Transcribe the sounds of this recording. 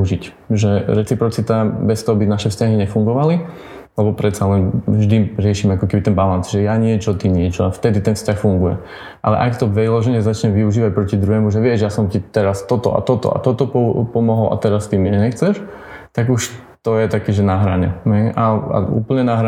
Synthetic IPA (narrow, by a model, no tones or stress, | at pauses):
ʒicʒɛɾɛt͡sipɾɔt͡sit̪abɛst̪ɔɦɔbinaʃɛfscaɦiɲɛfuŋɡɔʋali | lɛbɔpɾɛt̪salɛnʒd̪iɾɪɛʃiːmɛakɔkɛbit̪ɛnbalanzʒɛjaɲɪɛt͡ʃɔt̪iɲɪɛt͡ʃɔaft̪ɛd̪it̪ɛnfscaxfuŋɡujɛ̰ | ʔa̰lɛ̰ʔakt̪ɔʋɛlɔʒɛɲɛzat͡ʃɲɛʋiuʒiːʋac̚pɾɔcid̪ɾuɦɛmuʒɛʋɪɛʒjasɔmt̪it̪ɛɾast̪ɔt̪ɔ̰ʔa̰t̪ɔt̪ɔ̰ʔa̰t̪ɔt̪ɔpɔpɔmɔɦɔlʔa̰t̪ɛɾast̪imiɛɲɛxt͡sɛʃ | t̪aɡuʃ | t̪ɔjɛt̪akɛːʒɛnaɦɾa̰ɲɛ̰ɦɛjʔaa̰ṵːpl̩ɲɛnaɦɾa